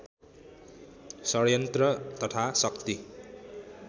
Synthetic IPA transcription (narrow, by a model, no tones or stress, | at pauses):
sʌɾjʌnt̪rʌt̪ʌt̪ʰasʌkt̪i